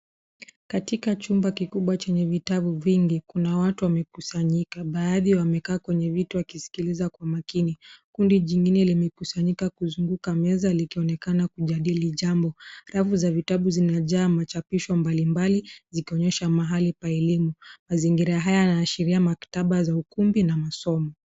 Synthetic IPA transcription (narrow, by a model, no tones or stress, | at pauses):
katikat͡ʃumbakikuɓwat͡ʃɛɲɛvitaɓuviŋɡikunawatuwamɛkusaɲikaɓaːðiwamɛkaːkwɛɲɛvituwakisi̥kilizakwamakinikundiʄiŋɡinɛlimɛkusaɲikakuzuŋɡukamɛzalikiɔnɛkanakuʄaɗiliʄambɔɾafuzavitaɓuzinaʄaːmat͡ʃapiʃɔmbalimbalizikiɔɲɛʃamaɦalipaɛlimumaziŋɡiɾaɦajajnaːʃiɾiamaktaɓazaukumbinamasɔmɔ